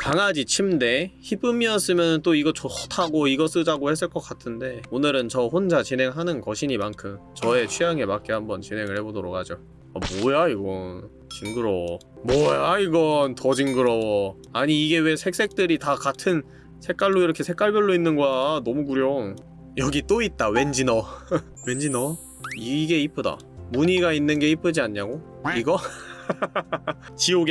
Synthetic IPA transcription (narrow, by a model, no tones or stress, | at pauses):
kaŋad͡ʑit͡ɕʰimde̞çip͈ɯmiʌs͈ɯmjʌnɯnt͈oiɡʌt͡ɕotʰaɡoiɡʌs͈ɯd͡ʑaɡohe̞s̬͈ɯɭk͈ʌk͈atʰɯnde̞onɯɾɯnt͡ɕʌɸond͡ʑat͡ɕinɦe̞ŋɦanɯnkʌɕʰiɲimankʰɯmt͡ɕʌe̞t͡ɕʰɥijaŋe̞mak͈ehambʌnt͡ɕinɦe̞ŋɯɭhe̞bodoɾok̚had͡ʑo | a̰mwʌjaiɡʌn | t͡ɕiŋɡɯɾʌwʌ | mwʌjaiɡʌntʌd͡ʑiŋɡɯɾʌwʌ | aɲiːɡe̞we̞sʰe̞k̚s͈e̞k̚t͈ɯɾitakatʰɯn | sʰe̞k̚k͈aɭːoiɾʌkʰe̞sʰe̞k͈aɭbjʌɭːoinːɯnɡoanʌmukuɾjo | jʌɡit͈oit̚t͈awe̞nd͡ʑinʌ | we̞nd͡ʑinʌ | iɡe̞ip͈ʰɯda̰ | muɲiɡainːɯnɡe̞ip͈ʰɯd͡ʑiaɲːaɡoiɡʌ | t͡ɕioɡe